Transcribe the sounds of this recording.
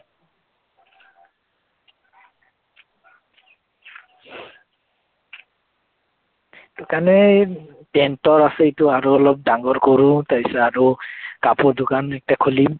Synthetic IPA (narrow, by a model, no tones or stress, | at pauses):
d̥ʊkanɛ | tɛntɔɹasɛitʊaɹɔɔlɔp̚daŋɡɔɹkoɹutabisaaɹukapʊɹdʊkanɛk̚takʰolim